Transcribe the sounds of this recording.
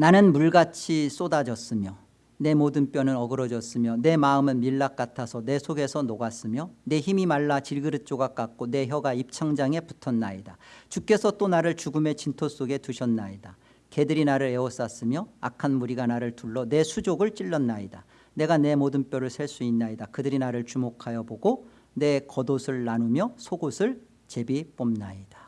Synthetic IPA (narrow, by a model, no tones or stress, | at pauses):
nanɯnmuɭɡat͡ɕʰis͈odad͡ʑʌs͈ɯmjʌ | ne̞modɯnp͈jʌnɯnʌɡɯɾʌd͡ʑʌs͈ɯmjʌne̞maɯmɯnmiɭːak͈atʰasʰʌne̞sʰoɡe̞sʰʌnoɡas͈ɯmjʌne̞çimimaɭːat͡ɕiɭɡɯɾɯt͡ɕ͈oɡak͈ak̚k͈one̞ɦjʌɡaip̚t͡ɕʰaŋd͡ʑaŋe̞pu̥tʰʌnːaidat͡ɕuk͈e̞sʰʌt͈onaɾɯɭt͡ɕuɡɯme̞t͡ɕintʰos͈oɡe̞tuɕʰʌnːaida | ke̞dɯɾinaɾɯɭe̞ʌs͈as͈ɯmjʌakʰanmuɾiɡanaɾɯɭtuɭːʌne̞sʰud͡ʑoɡɯɭt͡ɕ͈iɭːʌnːaida | ne̞ɡane̞modɯnpjʌɾɯɭsʰeɭs͈uinːaidakɯdɯɾinaɾɯɭt͡ɕumokʰajʌboɡo | ne̞kʌdosʰɯɭːanumjʌsʰoɡosʰɯɭ | t͡ɕe̞bip͈ʌmnaid̥a